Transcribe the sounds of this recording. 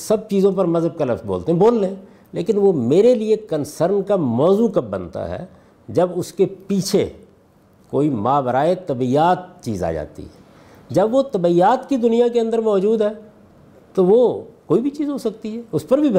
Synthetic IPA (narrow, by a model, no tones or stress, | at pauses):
sɐb̚t͡ʃiːzõp̬ɐɾmɐzəb̚kalɐfsbo̰ːlt̪eɦɛ̃boːllẽ | leːkɪnʋomeːɾeliekənsəɾnkamɔːzukɐp̚bənt̪a̰ɦɛ̰ː | d͡ʒɐbʊskepiːt͡ʃʰḛ | koːimãːbəɾaːet̪ɐbijaːt̪̚t͡ʃḭːza̰ːd͡ʒa̰ːt̪ḭɦɛ | d͡ʒɐbʋot̪ɐbijaːt̪kid̪ʊnijakeɐ̃nd̪əɾmɔːd͡ʒuːd̪ɦɛː | t̪oʋokoːibʱit͡ʃiːzɦosɐk̚t̪iɦɛːʊspəɾbʱib